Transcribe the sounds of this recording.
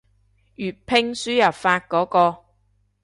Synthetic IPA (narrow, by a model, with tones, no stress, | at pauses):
jyː˨t̚pʰɪ˧ŋsyː˨˥jɐ˨˩pfaː˧t̚kɔː˨˥kɔː˧